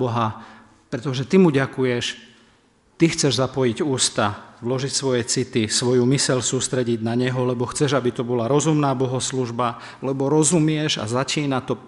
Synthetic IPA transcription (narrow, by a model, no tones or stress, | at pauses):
bɔɦa | pɾɛt̪ɔʒɛt̪imuɟakujɛʃ | t̪ixt͡sɛʒzapɔjiɟuːst̪aʋlɔʒicsʋɔjɛt͡sit̪isʋɔjumisɛʎsuːst̪ɾɛɟiɟnaɲɛɦɔlɛbɔxt͡sɛʒabit̪ɔbɔlaɾɔzumnaːbɔɦɔsluʒba | lɛbɔɾɔzumɪɛʒa̰zat͡ʃiːnat̪ɔ